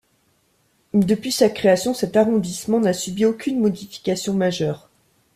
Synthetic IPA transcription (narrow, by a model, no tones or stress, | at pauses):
d̪əpɥisakχeasjɔ̃sɛt̪aʁɔ̃d̪ismɑ̃nasybiokʲynmɔd̪ifi̥kʲasjɔ̃maʒœːʁ